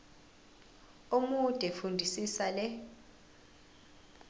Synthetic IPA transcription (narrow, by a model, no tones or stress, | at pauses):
umud̥ʱɛfundʱisisalɛ